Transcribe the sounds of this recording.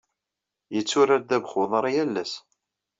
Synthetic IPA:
jət͡sːʊɾæɾd̪æbχʊðˤɾˤjælːæs

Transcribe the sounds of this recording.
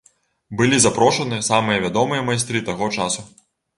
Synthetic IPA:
bɨlʲizapɾɔʂɐnɨjɐsamɨjɐvʲad̪ɔmɨjɐmajst̪ɾɨt̪aɣɔt͡ʂasu

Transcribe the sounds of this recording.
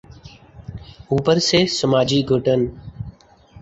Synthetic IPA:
uːpəɾseːsəmaːd͡ʒiːɡʱʊʈən

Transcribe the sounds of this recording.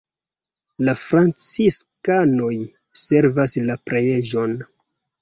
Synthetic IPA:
lafɾant͡siskano̞j | se̞ɾvaslapɾejeʒo̞n

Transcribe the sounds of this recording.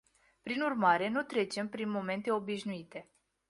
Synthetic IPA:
pɾinurmaɾe̞nut̪ɾe̞t͡ʃe̞mpɾinmo̞me̞nt̪e̞o̞biʃnuit̪e̞

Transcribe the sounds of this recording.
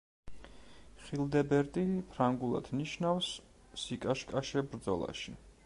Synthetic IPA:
χilˠd̪ɛbɛɾt̪ʼipʰɾaŋɡulˠa̰d̪̥niʃnafsː | ikʼaʃkʼaʃɛbɾd̪zɔ̰lˠa̰ʃi

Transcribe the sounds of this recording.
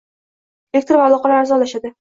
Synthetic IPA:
lek̚ʲt̪ɾvaːlˠɒqɑlaaɾzɒlaʃad̪ɪ

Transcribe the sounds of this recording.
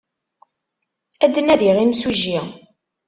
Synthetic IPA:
æd̪ːənæðiʁimsuʒi

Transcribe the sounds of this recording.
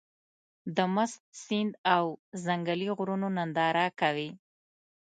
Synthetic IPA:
d̪əmʊst̪̚sind̪awzaŋɡaliɣɾunonand̪ɑɾakawi

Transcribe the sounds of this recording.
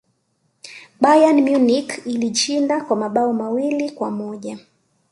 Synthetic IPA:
ɓajanmjunikiliʃindakwamaɓaɔmawilikwamɔʄa

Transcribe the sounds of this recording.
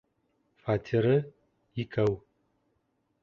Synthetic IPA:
fatʰiɾɨ | ikʰɐw

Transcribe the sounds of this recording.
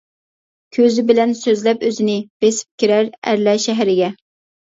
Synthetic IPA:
kʲʰøzɪbɪlɛnsøzlɛpøzɪnɪb̥esɪ̥p̚kʲiɾæɾæ̰ɾlɛʃɛɦɾɪɡʲɛ

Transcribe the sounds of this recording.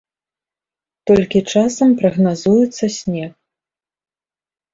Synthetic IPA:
t̪ɔlʲkʲit͡ʂasɐmpɾɐɣnazujɛt̪sːɐsʲnʲɛx

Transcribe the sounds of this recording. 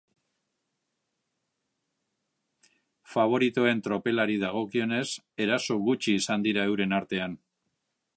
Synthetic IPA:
faβ̞o̞ɾit̪o̞e̞nt̪ɾo̞pe̞laɾiðaɣ̞o̞kio̞ne̞s | e̞ɾaso̞ɣut͡ʃiːsand̪iɾae̞wɾe̞naɾt̪e̞an

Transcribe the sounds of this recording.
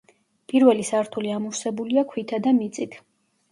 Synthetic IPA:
pʼiɾvɛlisaɾt̪ʰuliamuɾsɛbuliakʰwit̪ʰad̪amit̪sʼit̪ʰ

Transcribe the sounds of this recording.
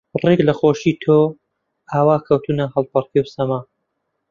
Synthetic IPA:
reɡlɐxoːʃiːt̪ʰoː | ʔaːwaːkʰɐwt̪ʰunɐhɐlˠpʰɐrkewsɐmaː

